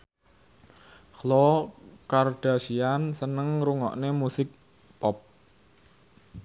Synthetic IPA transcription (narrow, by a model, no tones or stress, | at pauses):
xlɔkard̥a̤siansənəŋɾuŋɔ̰ʔnemusɪk̚ | pɔp̚